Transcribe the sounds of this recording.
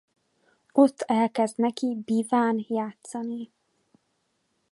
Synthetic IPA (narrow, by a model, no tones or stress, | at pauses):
o̞t̪ʰːɛlkɛzd̪nɛkibiːvaːnjaːt̪sɒni